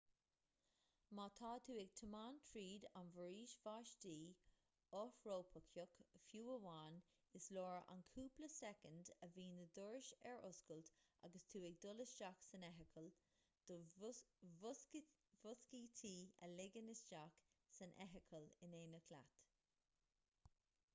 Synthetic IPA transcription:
mɑt̪ʰɑːt̪ʰuːɪɡ̚t̪ʰəmaːntʰɹiːdanvəɹiːʃvaːʃdiː | ɔfɹoːpʰəkʰjʊkfjuːəwaːn | ɪslɔːɹa̰nkʰuːpləsɛkəndəviːnəd̪ʊɹʃɛɹʔʊskəltʔa̰ɡəst̪ʰuːɪɡ̚d̪ʊlɪsd͡ʒaksənɛɦɪkʰəl | d̪̥ | vʊskiːtʰiːə̰lɪɡənɪsd͡ʒaksənʔɛ̰ɦɪkʰəlɪneːnəkʰla̰t̪

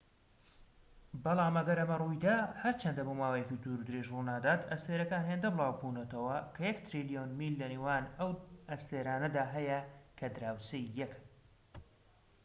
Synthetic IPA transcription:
bɑlˠaːmɐɡɐɾɐmɐrujd̪ahɐɾt͡ʃʰɐnd̪ɐbomaːwejecid̪uːɾud̪ɨɾeʒrunaːd̪at̪ɐst̪eːɾɐkaːnɦend̪ɐbɨlˠaːwbuːnɐt̪ɐwɐkʰɐjɐkt̪ʰɾilijonmilːɐneːwaːnɐwɐst̪eːɾaːnɐd̪aːɦɐjɐkʰɐd̪ɨɾaːwsejːɐk

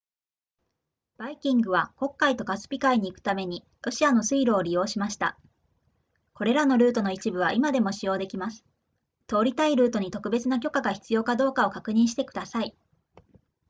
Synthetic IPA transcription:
b̥aikʲĩŋɡɯ̟β̞ako̞kːait̪o̞kasɨ̥pʲikaiɲ̟iːkɯ̥t̪ame̞ɲ̟i | ɾo̞ɕiano̞sɨiɾɯoɾʲijo̞ːɕimaɕi̥t̪a̰ | ko̞ɾe̞ɾano̞ɾɯ̟ːt̪o̞no̞it͡ɕibɯ̟βaʔimad̪e̞mo̞ɕijo̞ːd̪e̞kʲimasɨ̥ | t̪o̞ːɾʲit̪aiɾɯ̟ːt̪o̞ɲ̟it̪o̞kɯ̟be̞t͡sɨnak̬ʲo̞kaɡaçʲi̥t͡sɨjo̞ːkad̪o̞ːkao̞kakɯ̟ɲ̟ĩɰ̃ɕ̬i̥t̪e̞kɯ̟d̪asai

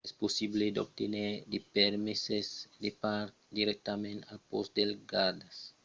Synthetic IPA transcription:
ɛsposibled̪o̰b̚t̪eneɾd̪epɛɾmisesd̪epaɾkd̪iɾɛk̚t̪amẽnt̪alpɔsd̪elɡad̪as

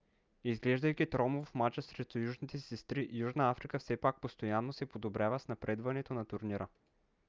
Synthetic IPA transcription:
izɡlɛʒd̪ɐjk̟ʲit̪ɾɔmovfmat͡ʃəsɾɛt̪ojuʒnit̪ɛsɛst̪ɾiʔjuʒnəafɾikəfsɛpak̚post̪ojanːosɛpod̪obɾʲjavəsnɐpɾɛd̪vɐnɛt̪onɐt̪uɾniɾʔə

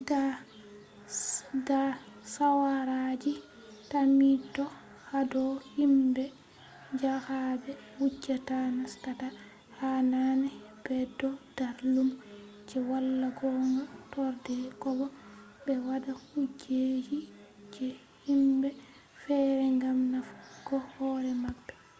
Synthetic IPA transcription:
ɡa | ɡa | sawaɾad͡ʒi | tamitːɔ | hadɔhimbɛ | d͡ʒahabɛwud͡ʒatanastata | hananɛ | b̥ɛdɔd̥aɾlum | d͡ʒɛwalːaɡɔŋɡatɔɾdɛkɔbɔ | bɛwadahud͡ʒed͡ʒid͡ʒɛ | himbɛ | fɛɾɛŋɡamnafɡɔhhɔɾɛmabːɛ

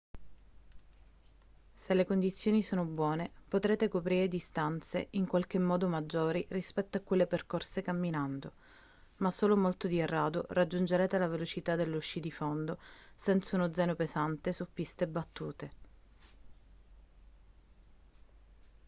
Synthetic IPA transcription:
selekond̪it̪sːjoːnisoːnobwɔːnepot̪ɾeːt̪ekopɾiːɾed̪ist̪ant̪sḛiŋkwalk̟emːɔːd̪omad͡ʒːoːɾirispɛt̪ːoakːwelːeperkorsekamːinand̪o | masːoːlomolt̪od̪ierːaːd̪orad͡ʒːund͡ʒeɾɛːt̪elavelot͡ʃit̪ad̪elːuʃːid̪ifond̪osɛnt̪saunod̪zːɛːnopezant̪esupːist̪ebat̪ːuːt̪e

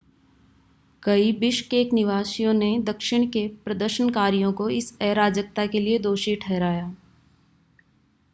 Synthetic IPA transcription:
kɐibɪʃkeːknɪʋaːʃijõned̪ɐkʃɪɽ̃kepɾɐd̪əɾʃənkaːɾijõkoɪsɛːɾaːd͡ʒək̚t̪akelied̪oːʃiʈʰɛːɾaːjaː

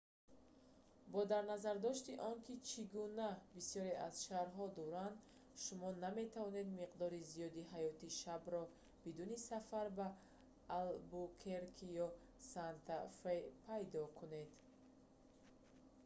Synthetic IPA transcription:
bɔd̪aɾnazaɾd̪ɔʃt̪iʔɔŋkit͡ʃʰiɡunabisjɔɾe̞az̥ʃaɾɦɔd̪ɔɾand̪ | ʃumɔname̞t̪ʰavɔne̞d̪miqd̪ɔɾizijɔd̪iɦajɔt̪iʃabɾɔ | bid̪unisafaɾbaː | lbukʰeɾkʰijɔ | sant̪ʰafepʰajd̪ɔkʰune̞d̪

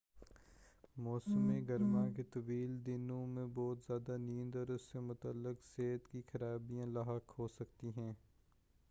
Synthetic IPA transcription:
mɔːsəmẽɡɐɾmãket̪ɐʋiːld̪ɪnõmẽbɔːt̪zjaːd̪anĩːnd̪ɔːɾʊsːemʊt̪əlːɪqseːt̪kixɐɾaːbijãlaːɦəkɦoːsɐkt̪iɦɛ̃ː

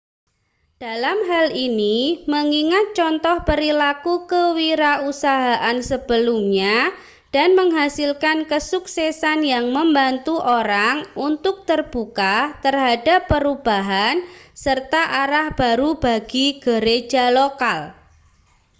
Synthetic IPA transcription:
d̥alamɦaliniməŋiŋat̪̚t͡ʃɔnt̪ɔhpəɾilakukəwiɾausaɦaʔansəb̥əlumɲa | d̥anməŋɦasilkankəsuksɛsanjaŋməmbant̪uʔoɾaŋunt̪ʊk̚t̪ərb̥ukat̪ərɦadapːəɾub̥aɦansərt̪aʔaɾahb̥aɾub̥aɡ̥iɡ̥əɾed͡ʒalokal

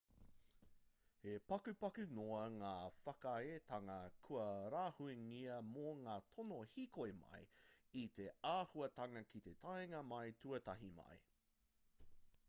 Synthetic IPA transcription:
hepɐkʉpɐkʉnoɐŋaːfɐkaet̪ʰaŋɐkʰuɐɾaːhueŋiɐmoŋaːtʰonohikoemɐ̰jit̪e̞aːhuɐtɐŋɐkit̪e̞tʰɐjeŋɐmɐjtʰuɐtɐɦimɐ̰j

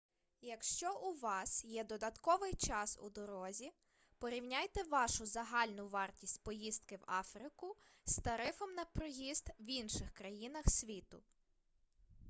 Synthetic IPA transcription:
jɐkʃt͡ʃɔʔuʋɑsjɛd̪ɔd̪ɐt̪kɔʋɪjt͡ʃɑsṵd̪ɔɾɔzʲi | pɔɾʲiwnʲajt̪ɛʋɑʃʊzɐɦɑlʲnʊʋɑrtʲisʲtʲpɔjist̪kɪwɑfɾɪkʊst̪ɐɾɪfɔmnɐpɾɔjist̪winʃɪxkɾɐjinɐxsʲʋʲit̪ʊ

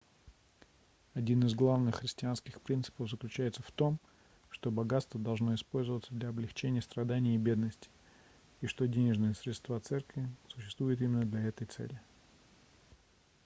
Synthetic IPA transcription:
ɐdʲinɨzɡlˠavnɨxːɾʲɪsʲtʲɪanskʲɪxpɾʲint̪sɨ̥pəvzəklʲʉt͡ɕæjɪt̪səft̪o̞m | ʂt̪o̞bɐɡat̪st̪vəd̪ɐlˠʐno̞ɪspo̞lʲzəvət̪səd̪lʲɐɐblʲɪxt͡ɕenʲɪjəst̪ɾɐd̪anʲɪjəibʲe̞d̪nəsʲtʲɪ̥ | iʂt̪o̞dʲenʲɪʐnɨjəsɾʲɪt̪st̪vat̪sɛrkvʲɪsʊ̥ɕːɪ̥st̪vujɪt̪imʲɪnːəd̪lʲɐɛt̪əjt̪sɛ̰lʲɪ

